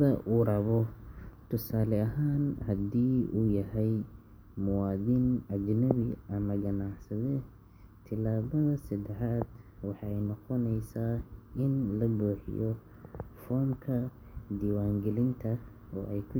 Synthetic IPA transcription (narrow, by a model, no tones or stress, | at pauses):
ɐʔuɾɐβɔt̪ʰʊsaːlɛɐɦaːnhɐd̪iːuːjɐɦɛj | mʊwɑːðɪnɐd͡ʒnɐβiʔɐmɐɡɐnɑʕsɐðɛ | t̪ʰɪlaːβɐðɐsɐd̪ɛħaːd̪wɑħɑɛjnɔqɔnɛjsaːɪnlɐbuːħɪ̰jɔ | fɔːmkʰɐ | d̪iːwaːŋɡɛlɪnt̪ʰɐ | ɔ̰ːʔɛjkʰʊ